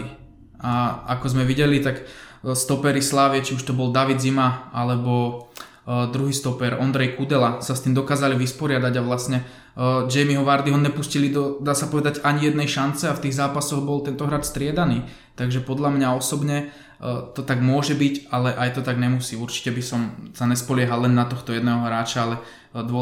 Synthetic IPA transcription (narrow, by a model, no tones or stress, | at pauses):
i | aa̰kɔzmɛʋiɟɛlit̪akst̪ɔpɛɾislaːʋɪɛt͡ʃiuʃt̪ɔbɔld̪aʋid̪zimaalɛbɔ | d̪ɾuɦiːst̪ɔpɛɾɔnd̪ɾɛjkud̪ɛlasast̪iːmd̪ɔkaːzaliʋispɔɾɪad̪aɟaʋlasɲɛ | d͡ʒɛjmiɦɔʋaɾd̪iɦɔɲɛpuscilid̪ɔd̪aːsapɔʋɛd̪aɟaɲijɛd̪nɛjʃant͡sɛaft̪iːɣzaːpasɔɣbɔlˠt̪ɛnt̪ɔɦɾaːt̪st̪ɾɪɛd̪aniː | t̪aɡʒɛpɔd̪lamɲaɔsɔbɲɛ | t̪ɔt̪aɡmʊɔʒɛbicalɛʔajt̪ɔt̪aɡɲɛmusiːuɾt͡ʃi̥cɛbisɔmsaɲɛspɔlɪɛɦalːɛnːat̪ɔxt̪ɔjɛd̪nɛːɦɔɦɾaːt͡ʃaalɛ | d̪ɔ